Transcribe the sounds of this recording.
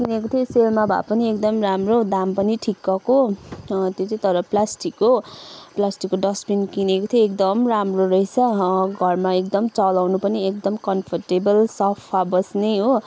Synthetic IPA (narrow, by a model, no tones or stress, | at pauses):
kinekot̪ʰjoselmabʱa̰pʌniekd̪ʌmramrod̪ampʌniʈʰikːʌko | t̪jot͡sʌ̃ĩt̪ʌɾʌplasʈikːoplasʈikːoɖʌspinkinekot̪ʰjoek̚d̪ʌmramroɾʌɦit͡sʰʌɡʱʌrmaek̚d̪ʌmt͡sʌlawnupʌniek̚d̪ʌmkʌnpʰʌrʈebʌlsʌpʰabʌsnejɦo